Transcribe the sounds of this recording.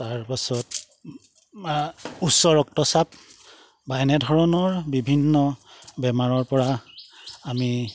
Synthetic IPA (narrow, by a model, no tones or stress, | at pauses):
taɹpasɔt | usɔɹɔktɔsap̚ | baɛnɛdʱɔɹɔnɔɹbibʱinːɔbɛmaɹɔɹpɔɹa | ami